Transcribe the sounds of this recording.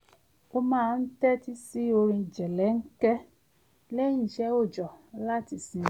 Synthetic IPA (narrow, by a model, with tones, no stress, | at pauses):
o˧mãː˦˧n̩˦tɛ˦ti˦si˦o˧ɾ̃ĩ˧˨d͡ʒɛ˨lɛ˨˦ŋ̩˦kɛ˦ | lɛ˦ĩ˦˨ʃɛ˦o˦˨d͡ʒɔ˨la˦ti˧˨sĩ˧